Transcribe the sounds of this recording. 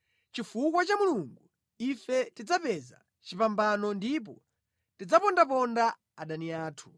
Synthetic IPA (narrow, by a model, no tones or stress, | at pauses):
t͡ʃifukwat͡ʃamuluŋɡu | ifɛtid͡zapɛza̰ | t͡ʃipambanɔndip̬ɔ | tid͡zapɔndap̬ɔnda | aɗaniaːtʰu̥